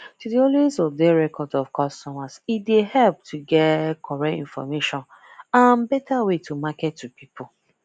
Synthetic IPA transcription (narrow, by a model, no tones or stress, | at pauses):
tudiɔlezɔvdeɹɛkʰɔdɔfkɔstɔmazideɦɛlp̚tʰuɡɛtkʰɔɹɛtḭ̃nfɔ̰meʃɔ̃n | ãnbɛtʰawetʰumaketːupipo